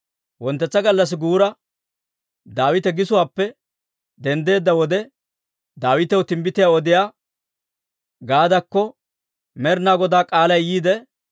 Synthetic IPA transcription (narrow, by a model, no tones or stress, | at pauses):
wɔnt̪ːɛt͡sːɐɡɐlːɐs̬ɪɡuːɾɐ | d̪aːwɪt̪ɛɡɪsʊwaːpːɛ | d̪ɛnd̪e̞ːd̪ːɐwɔd̪ɛ | d̪aːwɪt̪ɛwʊt̪ɪmbɪt̪ɪjaɔd̪ɪjaː | ɡaːd̪ɐkːɔ | mɛɾnaːɡɔd̪aːkʼaːlɐjjiːd̪ɛ